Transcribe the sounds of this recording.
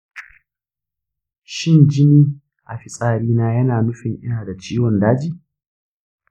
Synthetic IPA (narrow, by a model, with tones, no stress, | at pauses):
ʃɪ˦nd͡ʒɪ˦niː˦ | ʔa̰˨ɸɪ˦sʼaː˨ɽiː˦naː˦jɐ˦naː˨nʊ˦ɸɪ˨ŋʔɪ̰˦naː˨da˨t͡ʃiː˦wɔ˨ndaː˦d͡ʒiː˦˨